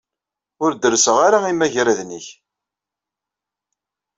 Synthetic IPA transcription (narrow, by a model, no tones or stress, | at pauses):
ʊɾd̪əɾsəʁaɾaimæʝɾæðniç